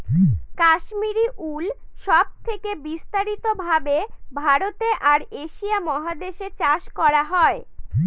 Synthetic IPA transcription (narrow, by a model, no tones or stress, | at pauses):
kaʃmiɾiʔulʃɔb̚t̪ʰekebist̪aɾit̪obʱabebʱaɾot̪eʔaɾeʃiamɔɦad̪eʃet͡ɕaʃkɔɾaɦɔe